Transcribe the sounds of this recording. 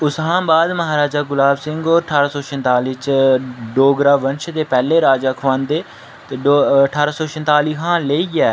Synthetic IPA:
ʊsɦãːbaːd̪məɦaːɾaːd͡ʒaːɡʊlaːbsɪŋɡoːəʈʰaːɾaːsoːʃə̃nt̪aːliːt͡ʃɖoːɡɾaːʋənʃt̪eːpɛːleːɾaːd͡ʒaːkʰʋãːnd̪eː | t̪eːɖoːəʈʰaːɾaːsoːʃə̃nt̪aːliːɦãːleːiːɛː

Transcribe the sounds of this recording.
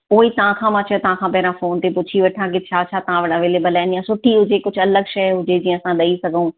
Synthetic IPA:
oːiːt̪ãːkʰãːmãːt͡ʃʰɛt̪ãːkʰãːpɛːɾãːfoːnt̪eːpʊt͡ʃʰiːʋɐʈʰãːk̬ɪt͡ʃʰaːt͡ʃʰaːt̪ɐãːʋəɽəʋeːleːbəlɛ̃ːnijãsʊʈʰːiːɦʊd͡ʒeːkʊt͡ʃʰɐləɡʃəjɦʊd͡ʒeːd͡ʒĩɐsãːɗ̪ɐiːsɐɡũː

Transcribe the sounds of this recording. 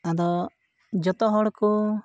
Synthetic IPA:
ad̪ɔ | d͡ʒɔt̪ɔɦɔɽku

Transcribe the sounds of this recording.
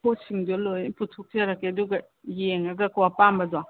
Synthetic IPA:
posiŋdolojputʰuk̚d͡ʒaɾakːeɐduɡɐ | jeŋɐɡɐkuwapambɐda

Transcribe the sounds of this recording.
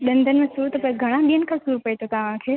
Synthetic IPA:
ɗɐ̃nd̪ʱənmẽsuːɾt̪ɐpoːĩɡʱɐɽ̃ãɓiːənɪ̆kʰãsuːɾpɐet̪ʰokaːʋãːkʰeː

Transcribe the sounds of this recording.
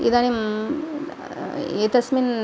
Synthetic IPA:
ḭd̪anim | eːt̪ɐsmin

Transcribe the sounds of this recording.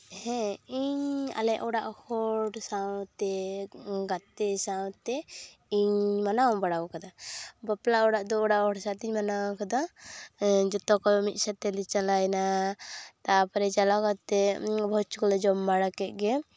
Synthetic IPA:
hɛ̃iɲa̰lɛʔʔɔɽaʔhɔɽsawt̪ɛ | ɡat̪ɛsaw̃t̪ɛ | iɲmanawbaɽawkad̪abaplaɔɽaʔd̪ɔːɽaʔhɔɽsat̪iɲmanawkad̪a | d͡ʒɔt̪ɔkɔmit̪̚ˀsat̪ɛlit͡ʃalajna | t̪apaɾɛt͡ʃalakat̪ɛbʱɔt͡ʃkɔlɛd͡ʒɔmːaɽakɛt̪̚ˀɡɛ

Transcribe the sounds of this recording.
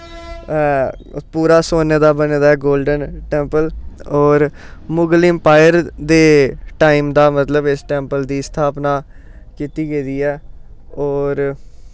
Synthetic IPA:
puːɾaːsoːneːd̪aːbəneːd̪aːɛːɡoːlɖənʈɛ̃ːmpəlɔːɾ | mʊɡlɪmpaːjəɾd̪eːʈaːiːmd̪aːmət̪ləbɪsʈɛ̃ːmpəld̪iːst̪ʰaːpnaː | kiːt̪iːɡeːd̪iːɛːɔːɾ

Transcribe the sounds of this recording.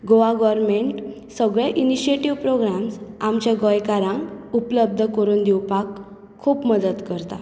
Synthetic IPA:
ɡoʋaɡɔʋəɾmeɳʈ | səɡɭjaʔiniɕieʈiʋpɾoɡɾamsamt͡ɕaɡɔjkaɾãŋkupləb̚d̪ʱəkəɾuːnd̪iwpakʰː | uːpməd̪ət̪kəɾt̪a̰

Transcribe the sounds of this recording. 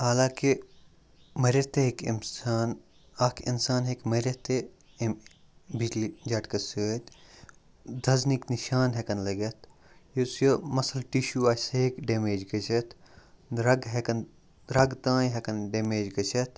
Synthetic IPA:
haːlãːki | mɐɾʲɐt̪eɦikmaːn | ɐːkinsaːnɦekmɐɾʲɐt̪e | m | bid͡ʒlid͡ʒɐːʈkɐsuet̪ | d̪ʱɐznikniʃaːnɦekɐnlɐɡɐt̪ʰ | jɐsjɐmɐsɐlʈiʃuaːsekɖeːmeːd͡ʒɡɐt͡ʃʰɐt̪ʰɾɐɡɦekɐn | ɾɐɡt̪ãːjɦekɐnɖeːmeːd͡ʒɡɐt͡ʃʰɐt̪ʰ

